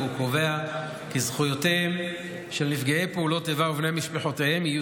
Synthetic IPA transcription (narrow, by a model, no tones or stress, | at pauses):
uko̞ve̞a | kizχujoteem | ʃelnifɡeejpeulo̞tevauvnemiʃpeħotehemiju